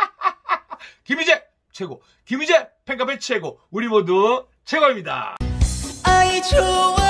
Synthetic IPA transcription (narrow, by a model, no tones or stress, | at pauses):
kimid͡ʑe | t͡ɕʰeɡo̰ | kimid͡ʑepʰeŋk͈ʰap̬ʰet͡ɕʰeɡouɾibodo | t͡ɕʰeɡʌɾimɲida̰ | ajtʰo